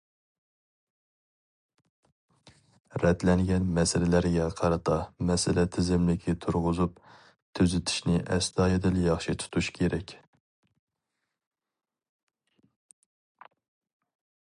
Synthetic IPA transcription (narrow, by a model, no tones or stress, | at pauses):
ɾɛt̪lɛŋɡʲɛnmɛsɪlɪlæɾɡʲɛqʰɑɾɨt̪ʰɑmɛsɪlɛt̪ʰɪzɪmlɪkʲʰit̪ʰuɾʁʊzup̚ | t̪ʰøzɪt̪ʰɪ̥ʃnɪʔɛsd̪ɑːjɪd̪ɪljɑχʃit̪ʰu̥t̪ʰuʃkʲʰeɾɛkʲ